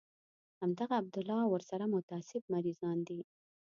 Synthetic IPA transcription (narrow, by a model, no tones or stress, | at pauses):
hamd̪aɣaːb̚d̪ʊlɑwəɾsaɾamʊt̪ɑsɪb̚maɾizɑnd̪i